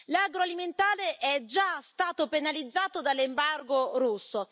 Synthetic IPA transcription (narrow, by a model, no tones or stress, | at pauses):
laɡɾoaliment̪aːɾeʔɛd͡ʒast̪aːt̪openalid̪zːaːt̪od̪alːembarɡoɾusːo